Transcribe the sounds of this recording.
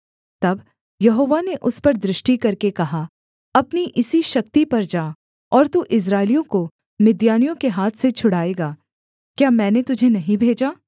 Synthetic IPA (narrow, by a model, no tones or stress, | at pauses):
t̪ɐb | jɐɦoːʋaneʔʊspɐɾd̪ɾɪʃʈikɐɾkekɐɦa | ɐpniʔɪsiʃɐk̚t̪ipɐɾd͡ʒaː | ɔːɾt̪uʔɪs̬ɾaːɪlijõko | mɪd̪jaːnijõkeɦaːt̪ʰset͡ʃʰʊɽ̤aːeːɡaː | kjaːmɛ̃ːnet̪ʊd͡ʒʱenɐɦĩbʱeːd͡ʒaː